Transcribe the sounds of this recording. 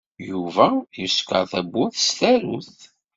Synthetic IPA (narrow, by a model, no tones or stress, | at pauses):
juvæjəskə̰ɾθæbːʊθst̪æɾuθ